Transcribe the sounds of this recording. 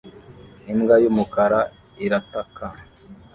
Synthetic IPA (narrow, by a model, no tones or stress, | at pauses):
iŋɡajumukaɾa | iɾataka